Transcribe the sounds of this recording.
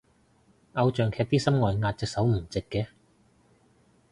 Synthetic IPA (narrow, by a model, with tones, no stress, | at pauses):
ʔɐ˧wt͡ʃœː˨ŋkʰɛː˧k̚t̪iː˥sɐ˥mŋɔː˨jŋaː˧t̚t͡sɪ˨˧k̚sɐ˨˥wm̩˨˩t͡sɪ˨kːɛː˧